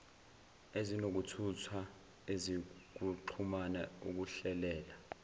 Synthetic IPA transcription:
ezinok̬utʰutʰa | ezik̬uǃʰumanauk̬uɬɛlɛːla

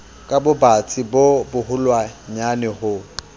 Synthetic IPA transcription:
kʼabʊbat͡sʰʼibobʊɦʊlwaɲanɪhʊ

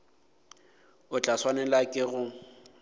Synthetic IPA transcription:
ʊt͡ɬʼaswanɛlakʼɪɣʊ

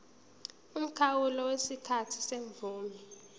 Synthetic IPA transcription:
um̩kʰawulɔwesikʰatʰi̥seɱvʱuːmi

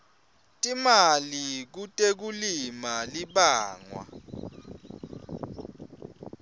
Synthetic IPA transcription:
tʼimalik̬utʼek̬ulimaliɓaːŋwa̰

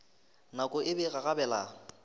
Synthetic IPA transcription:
nakʼʊʔɪbɛɣaɣabɛla

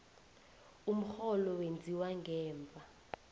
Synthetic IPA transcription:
um̩xɔlɔwend͡zʱiwaŋɡʱɛːmvʱa

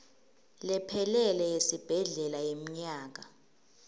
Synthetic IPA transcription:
lɛpʰɛlɛlɛjesib̥ʱɛɮɛlajem̩ɲaːk̬a

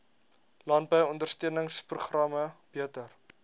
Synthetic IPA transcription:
lɑnbəjɔndərstyənəŋspruχrɐməb̥iətər

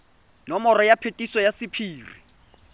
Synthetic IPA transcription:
nɔmɔɾɔjapʰetʼisɔjasɪpʰiːri

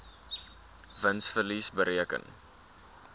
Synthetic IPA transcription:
vənsfərlisbəɾiəkə̰n

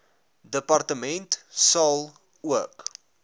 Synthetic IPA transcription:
dəpɐrtəmɛntsɐlˠ | uək

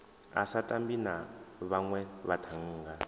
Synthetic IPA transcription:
a̰satʼambinaβaŋwɛβatʰaŋ̩ːɡa

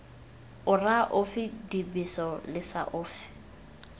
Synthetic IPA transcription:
ʊraʔʊfɪdibisɔlɪsa̰ʔʊːfɪ̥

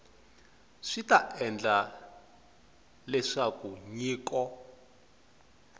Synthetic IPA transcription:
ʂitaʔɛnd͡ɮa | lɛʂakuɲiːkɔ

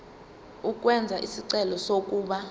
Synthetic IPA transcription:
uk̬ʼwɛnd͡zʱaʔisiǀɛlɔsok̬ʼuːɓa

